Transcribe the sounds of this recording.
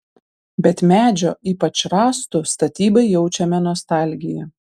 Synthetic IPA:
bʲɛt̪mʲæːd͡ʒʲoːʔiːpɐt͡ʃɾɑːst̪ʊst̪ɐt̪ʲiːbɐɪjɛʊt͡ʃʲɛmʲɛnɔst̪ɑˑlʲɡʲɪjɛ

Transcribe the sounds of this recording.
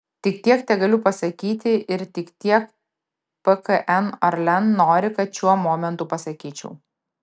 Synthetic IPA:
t̪ʲɪkt̪ʲiɛkt̪ʲɛɡɐlʲʊpɐsɐkʲiːt̪ʲɪʔɪɾt̪ʲɪkt̪ʲiɛk | pəkəʔɛnɐɾlʲɛnnoːɾʲɪkɐt̪ʃʲuɔmɔːmʲɛnt̪uːpɐsɐkʲiːt͡ʃʲɛ̰ʊ

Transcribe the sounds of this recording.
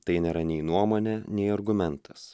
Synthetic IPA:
t̪ɐɪnʲeːɾɐnʲɛɪnuɔmoːnʲeːnʲɛɪɐɾɡʊmʲɛnt̪ɐs

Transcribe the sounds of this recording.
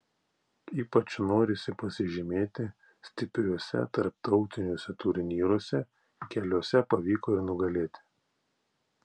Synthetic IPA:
iːpɐt͡ʃnoːɾʲɪsʲɪpɐsʲɪʒʲɪmʲeːt̪ʲɪ | sʲt̪ʲɪpʲɾʲuɔsʲɛ̰t̪ɐɾpt̪ɒʊt̪ʲɪnʲoːsʲɛt̪ʊɾʲɪnʲiːɾoɔsʲɛ | kʲɛlʲuɔsʲɛpɐʋʲiːkoːɪɾnʊɡɐlʲeːt̪ʲɪ̥

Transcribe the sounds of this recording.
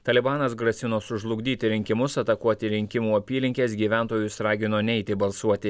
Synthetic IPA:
t̪ɐlʲɪbɑːnɐsɡɾɐsʲɪnoːsʊʒlˠʊɡd̪ʲiːt̪ʲɪɾʲɪŋʲkʲɪmʊsɐt̪ɐkuɔt̪ʲɪɾʲɪŋʲkʲɪmuːɐpʲiːlʲɪŋʲkʲeːsɡʲiːʋʲæˑnt̪oːjʊsɾɑːɡʲɪnoːnʲɛɪt̪ʲɪbɐlˠsuɔt̪ʲɪ

